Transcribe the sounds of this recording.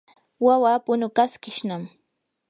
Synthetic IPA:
wawaːpʊnʊkaskɪʃnam

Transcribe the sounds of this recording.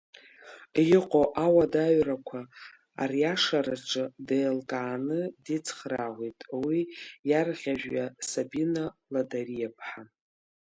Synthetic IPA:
jɪqʼoʔawadaɥrakʷʰa | a̰rjaʂaɾaʈ͡ʂʼɨdelkʼaːnɨdit͡sʰχraʁʷitʼwijarʁʲaʒᶣːasabinaladarijapʰħa

